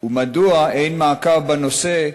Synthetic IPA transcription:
umaduaejnmaːkaʁbanose

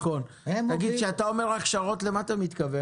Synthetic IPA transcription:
χon | aɡid̪ʃeat̪ao̞meʁʁaχʃaʁo̞t̪lemat̪amit̪kave

